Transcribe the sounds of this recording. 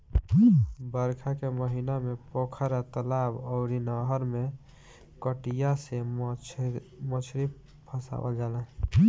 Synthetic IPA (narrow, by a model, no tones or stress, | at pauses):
bəɾkʰakeməɦinamepokʰəɾat̪əlabɔʊɾinəɦəɾme | kəʈijase | mət͡ʃʰɾi | pʰəsa̰bə̰ld͡ʒalə